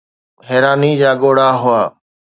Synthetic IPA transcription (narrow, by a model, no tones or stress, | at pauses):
ɦɛːɾaːnid͡ʑaːɠoːɽaɦʊaː